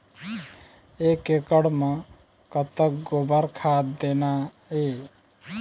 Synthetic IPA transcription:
ekekəɽme | kət̪ək̚ɡobəɾkʰad̪d̪ena | e

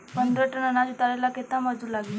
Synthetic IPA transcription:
pənd̪ɾəʈənənat͡sut̪aɾalaket̪amad͡zʱuːlaɡiː

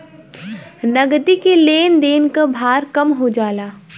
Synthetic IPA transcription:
nɐɡd̪ikeleːnd̪eːnkabʱaːɾkɐmɦod͡ʒaːlaː

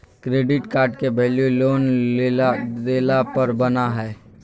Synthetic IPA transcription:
kɾeːɖɪʈkaːɾɖkebɛːljoloːneleːlapɐɾbɐnaɦɛː

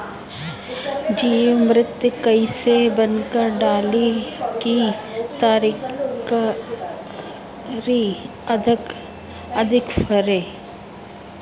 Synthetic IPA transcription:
d͡ʒiːmɾɪt̪jkəisebənkəɾɖaːlikit̪aːɾk | ɾi | d̪ | ɐd̪ʱɪkfʰəɾeː

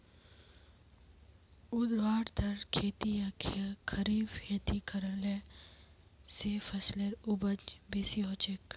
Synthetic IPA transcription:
ʊd̪ʋaːɾd̪ʰʱɐɾkʰeːt̪ijaːkʰjakʰɐɾiːbheːt̪ikɐɾəle | sefɐsleɾʊbəd͡ʒbeːsiɦoːt͡ʃek

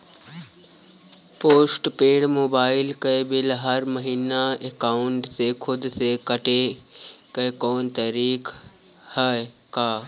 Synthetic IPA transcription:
poːsʈpeːɽmoːbaːɪlkəjbɪlɦɐɾməɦiːnaekaʊɳʈsekʰʊd̪sekəʈekəekoːnt̪əɾiːk | həkaː

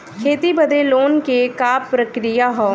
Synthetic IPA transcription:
kʰeːt̪ibɐd̪ʱeloːnkekaːpɾɐkɾijaɦoː

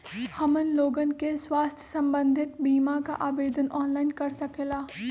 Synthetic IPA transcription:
hɐmənloːɡənkeswaːst̪ʰjəsɐ̃mbə̃nd̪ʱɪt̪biːmaka̰ʔaːbeːd̪ənʔɔːnlaːɪnkɐɾsɐkelaː

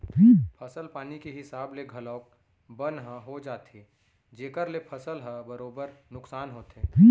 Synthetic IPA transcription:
pʰiːpʰəsəlpaːnikeɦɪsaːbleɡʱɐlɔːk̚ | bənɦə̃ɦod͡ʒaːt̪ɦe | d͡ʒeːkəɾlepʰəsəlɦəbəɾoːbəɾnʊksaːnɦoːt̪ɦẽːpi

